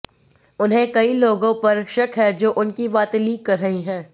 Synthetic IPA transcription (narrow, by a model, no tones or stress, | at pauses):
ʊnɦẽkɐiloːɡõpɐɾʃɐkɦɛd͡ʒoːʔʊnkibaːt̪liːkːɐɾːɐɦiɦɛ̃ː